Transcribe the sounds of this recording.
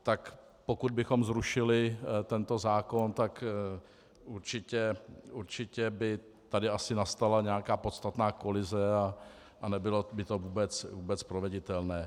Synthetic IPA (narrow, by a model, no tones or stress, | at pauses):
t̪ak | po̞kud̪̚bɪxo̞mzɾuʃɪlɪt̪ɛnt̪o̞zaːko̞nt̪ak | ʔuɾt͡ʃɪcɛuɾt͡ʃɪcɛbɪ | t̪adɪasɪnast̪alaɲɛakaːpo̞t̪st̪at̪naːko̞lɪzɛa | ʔanɛbɪlobɪt̪o̞vuːbɛt͡svuːbɛt͡spɾovɛɟɪt̪ɛlnɛː